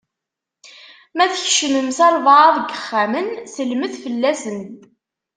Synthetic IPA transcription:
mæθçʃəməmsæɾˤvɑɑðˤɡəχːæmənsəlməθfəlːæsən

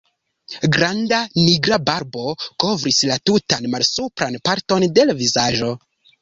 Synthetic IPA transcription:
ɡɾandaniɡɾabaɾbo̞ko̞vɾislatutanmalsupɾanpaɾto̞nde̞lavizaʒo̞

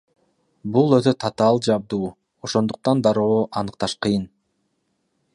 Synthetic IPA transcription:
bulˠøt̪øt̪ʰɑt̪ɑlˠd͡ʒɑb̚d̪uː | oʃo̞nd̪uq̚t̪ɑnd̪ɑɾo̞ːʔɑnɯq̚t̪ɑʃqʰɯjɯn

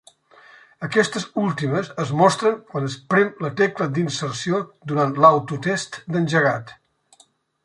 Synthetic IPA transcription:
əkɛst̪əzulˠt̪iməzəzmɔst̪ɾəŋkwanəspɾɛmlət̪ɛkləd̪insərsiod̪uɾanlawt̪ut̪est̪d̪ənʲʒəɣat̪

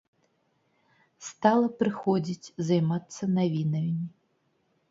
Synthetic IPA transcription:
st̪alˠɐpɾɨxɔd͡zʲit͡sʲzajmat̪sːɐnavʲinɐmʲi

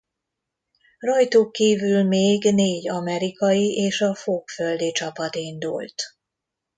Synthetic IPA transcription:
rɒjt̪ukːiːvylmeːɡneːɟɒmɛɾikɒjiʔeːʃɒfoːkfø̞ld̪it͡ʃɒpɒt̪ind̪ṵlt̪

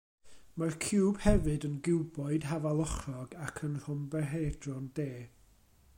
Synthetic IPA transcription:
markʰɪːb̥hɛvɨdənɡɪwbɔɨd̥ɦavalˠɔχrɔɡakʰənr̥ʊmbɛɦedrɔndeː

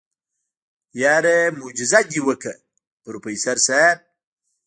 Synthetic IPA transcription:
jaːɾemud͡ʒɪzad̪iwəkʰə | ɾupəjsaɾsab̚

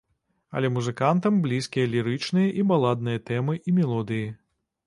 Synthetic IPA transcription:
ɐ̰lʲɛmuzɨkant̪ɐmblʲiskʲijɐlʲiɾɨt͡ʂnɨjɐʔibalˠad̪̚nɨjɐt̪ɛmɨʔimʲɛlˠɔd̪ɨji

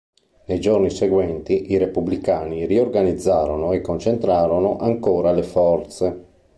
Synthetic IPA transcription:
nejd͡ʒorniseɡwɛnt̪iʔiɾepublikaːniriorɡanid̪zːaːɾonoɛkːont͡ʃent̪ɾaːɾonoʔaŋkoːɾalefɔrt̪se

